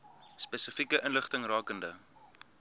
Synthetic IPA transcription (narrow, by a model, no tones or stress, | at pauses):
spɛsəfikəʔənləχtəŋrɑːkəndə